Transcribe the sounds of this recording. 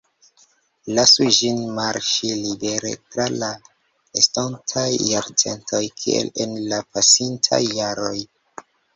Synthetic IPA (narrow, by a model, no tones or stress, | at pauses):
lasud͡ʒinmaɾʃilibe̞ɾe̞̰tɾala | estontʰajːaɾt͡se̞̰ntʰo̞jkʰiḛlenlapasintʰa̰jːaɾo̞j